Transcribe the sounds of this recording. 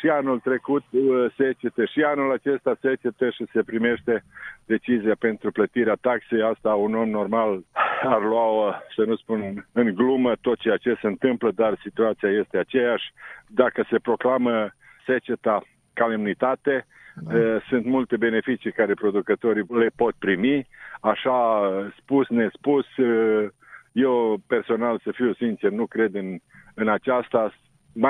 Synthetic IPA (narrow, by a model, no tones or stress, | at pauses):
ʃianult̪ɾe̞kut̪set͡ʃet̪eʃianulat͡ʃe̞st̪aset͡ʃet̪əʃise̞pɾime̞ʃt̪e̞d̪e̞t͡ʃiziape̞nt̪ɾuplət̪iɾeat̪akse̞jast̪auno̞mno̞rmalarlwaosənuspunɨŋɡlumət̪o̞t̪̚t͡ʃeat͡ʃe̞seɨnt̪ɨmpləd̪arsit̪uat̪siaje̞st̪e̞at͡ʃe̞jaʃʲd̪akəse̞pɾo̞klamə | se̞t͡ʃe̞t̪a | kalemnit̪at̪e̞ | sɨnt̪mult̪e̞be̞ne̞fit͡ʃijkaɾe̞pɾo̞d̪ukət̪o̞ɾile̞po̞t̪̚pɾimiaʃaspusne̞spus | je̞wpe̞rso̞nalsəfiwsint͡ʃernukɾe̞d̪ɨnɨnat͡ʃast̪a | ma